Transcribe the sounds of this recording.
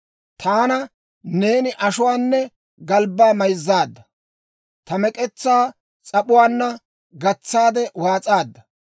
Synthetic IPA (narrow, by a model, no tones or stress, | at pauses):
t̪ʰaːnɐ | ne̞ːnɪʔɐʃʊwaːnːɛ | ɡɐlbːaːmɐjzːaːd̪ːɐ | t̪ɐmɛkʼɛt͡sːaː | t͡sʼɐɓʊwaːnːɐ | ɡɐt͡sːaːd̪ɛwaːt͡sʼaːd̪ːɐ